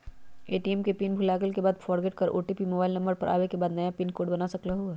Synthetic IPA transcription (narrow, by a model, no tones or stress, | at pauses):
eːʈiɛmkepiːnbʱʊlaːɡəlkebaːd̪fʰɔːɾɡeːʈ̚kɐɾʔo̰ːʈipimoːbaːɪlnɐ̃mbəɾpɐɾʔa̰ːʋekebaːd̪nɐjãpiːnkoːɖbɐnasɐklaɦo